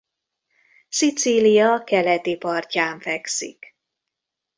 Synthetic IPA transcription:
sit̪silijɒkɛlɛt̪ipɒrcaːɱfɛksḭk

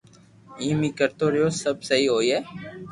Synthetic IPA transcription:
ĩːmiːkəɾt̪oːɾəjoːsəbsəɦiːɦoːiːɦɛː

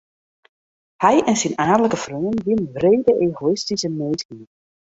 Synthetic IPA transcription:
hɛjʔɛnsinaːdələkəfrøːənʋɪnʋreːdəʔeːɣoɪstisəmeːtki

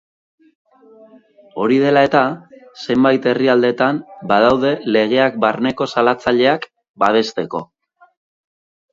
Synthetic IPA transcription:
o̞ɾiðe̞lae̞t̪ase̞mbajt̪e̞riald̪e̞t̪ambað̞awð̞e̞le̞ɣe̞ak̚barne̞ko̞salat͡saʎe̞ak | baβ̞e̞st̪e̞ko̞̰

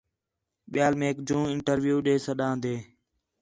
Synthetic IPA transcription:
ɓɪjaːlmẽːkd͡ʒũːɪɳʈəɾʋjuːɗeːsəɗãːnd̪eː

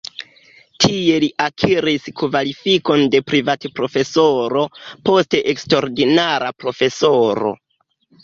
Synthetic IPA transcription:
tʰie̞liʔakʰiɾiskvalifiko̞nde̞pɾivatpɾo̞fe̞soɾo̞po̞ste̞ʔekstoɾdinaɾapɾo̞fe̞soɾo̞̰

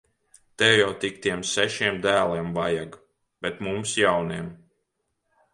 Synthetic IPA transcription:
t̪ɛwjawt̪ikt̪iɛmsɛʃiɛmd̪æːlˠiɛmvajaɡ | b̥ʲɛt̪mumsjawniɛm

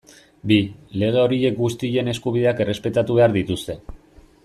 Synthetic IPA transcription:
bile̞ɣ̞e̞o̞ɾie̞k̚ɡust̪iʎe̞ne̞skuβiðe̞ake̞re̞spe̞t̪at̪uβe̞aɾðit̪ust̪e̞

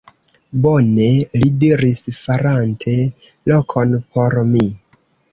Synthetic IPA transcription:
bone̞lidiɾisfaɾantʰe̞ | lo̞kʰo̞npʰo̞ɾmi

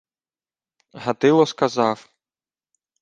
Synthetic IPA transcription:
ɦat̪ɪlˠɔskazaf

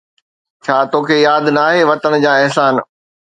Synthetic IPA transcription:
t͡ɕʰaːt̪oːkʰeːjaːd̪naːɦeʋɐt̪ənd͡ʑaːɪɦsaːn

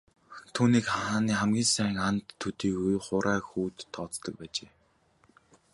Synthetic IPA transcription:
t̪ʰuːniːkχaːniːχæmɡʲiːnsæ̆ːŋant̪ʰːɵt̪iːɡujχʊɾʔæːxuːt̪ʰːɔːt͡st̪ɞ̆k̚pæːt͡ɕeː

